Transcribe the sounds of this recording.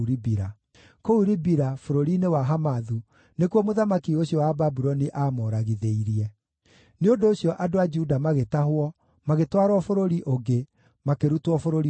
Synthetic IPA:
uɾibiɾa | kouɾibiɾafoɾoɾinewaɦamaðu | nekwɔmoðamakioɕjɔwababuɾɔniʔaːmɔɾaɣiðeiɾiɛ | neondoːɕjɔʔadoad͡ʒudamaɣetahwɔ | maɣetwaɾɔfoɾoɾiʔoɡe | makeɾutwɔfoɾoɾi

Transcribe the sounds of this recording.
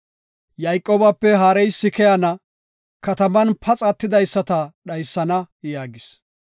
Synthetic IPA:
jɐjkʼːoːbɐpːɛɦaːɾɛjsːɪkɛjɐnɐ | kɐt̪ɐmɐnpʰɐt͡sʼɐt̪ːɪd̪ɐjsːɐt̪ɐɗɐjsːɐnɐ | jaːɡɪs

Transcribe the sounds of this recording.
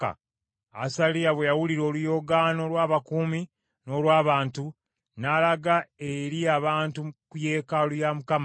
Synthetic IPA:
a̰ | a̰salijaβwejawuliɾo̞ːlujo̞ɡaːno̞lwaːβakuːmi | no̞ːlwaːβaːntu | nalaɡaeɾiaβaːntukuje̞ːkalujamukama

